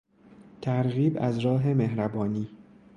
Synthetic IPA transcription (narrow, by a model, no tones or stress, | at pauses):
t̪ʰæɾɣiːbæ̰zɾɒːɦe̞meɦɾæbɒːniː